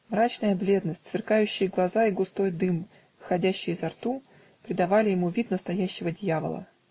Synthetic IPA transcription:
mɾat͡ɕnəjəblʲe̞d̪nəsʲtʲsvʲɪrkajʉɕːɪjəɡlˠɐzaiɡʊst̪o̞jd̪ɨm | vɨxɐdʲæɕːɪjzɐrt̪u | pɾʲɪd̪ɐvalʲɪjɪmuvʲit̪nəst̪ɐjæɕːɪvədʲjavə̰lˠə̰

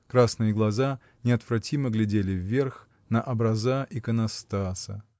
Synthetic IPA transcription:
kɾasnɨjəɡlˠɐza | nʲɪɐt̪v̥ɾɐtʲiməɡlʲɪdʲelʲɪvːʲerx | nəʔɐbɾɐzaʔikənɐst̪asə

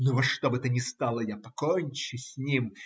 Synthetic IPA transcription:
nʊvot̪ʂt̪o̞bɨt̪ənʲɪst̪alˠəjapɐkonʲt͡ɕʊsʲnʲim

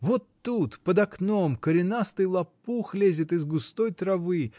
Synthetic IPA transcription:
vot̪ːut̪pəd̪ɐknomkəɾʲɪnast̪ɨjlˠɐpːuxlʲezʲɪt̪ɨzɡʊst̪ojt̪ɾɐvɨ

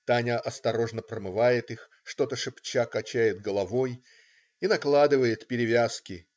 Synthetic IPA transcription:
t̪anʲəʔɐst̪ɐɾo̞ʐnəpɾəmɨvajɪt̪ɨx | ʂt̪o̞t̪əʂɨpt͡ɕakɐt͡ɕæjɪd̪̚ɡəlˠɐvo̞j | inɐklˠad̪ɨvəjɪt̪pʲɪɾʲɪvʲaskʲɪ

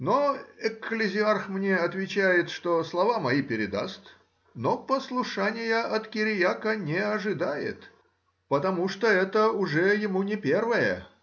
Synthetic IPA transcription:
noɪkːlʲɪzʲɪarxmnʲeɐt̪vʲɪt͡ɕæjɪt̪ʂt̪oslˠɐvamɐipʲɪɾʲɪd̪a̰st̪ | nopəslˠʊʂanʲɪjəʔɐt̪kʲɪɾʲɪjakənʲɪɐʐɨd̪ajɪ̰t̪ | pət̪ɐmuʂt̪oɛt̪əʊʐɛjɪmunʲɪpʲervəjə̰

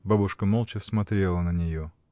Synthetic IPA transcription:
babʊʂkəmolˠt͡ɕɪsmɐt̪ɾʲe̞lˠənənʲɪjo

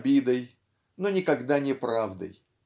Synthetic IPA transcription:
bʲid̪əj | nonʲɪkɐɡd̪anʲɪpɾavd̪ə̰j

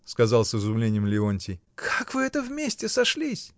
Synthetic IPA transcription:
skɐzɑlˠsɨzʊmlʲenʲɪjəmlʲɪonʲtʲɪj | kʰakvɨɛt̪əvmʲesʲtʲɪsɐʂlʲisʲ

